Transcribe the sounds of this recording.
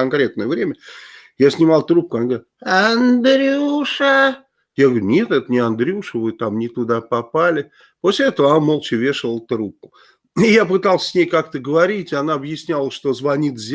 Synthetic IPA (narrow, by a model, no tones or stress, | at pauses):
ɐnkɾʲe̞t̪̚nəjəvɾʲemʲə | jasʲnʲɪmɑlˠt̪ɾup̚kʊɐnaɡʲ | ɐnd̪ɾʲɪuʂə | jaɡəɡɾʲʊnʲe̞t̪ɛt̪ənʲɪɐnd̪ɾʲɪuʂəvɨt̪amnʲɪt̪ʊd̪apɐpalʲɪ | po̞sʲlʲɪɛt̪əvəanamolˠt͡ɕɪvʲe̞ʂəvəlˠt̪ɾup̚kʊ̥ | ɪjapɨt̪alˠsʲsʲnʲejkakt̪əɡəvɐɾʲitʲɪanaɐbjɪsʲnʲalˠəʂt̪o̞zvɐnʲit̪zʲ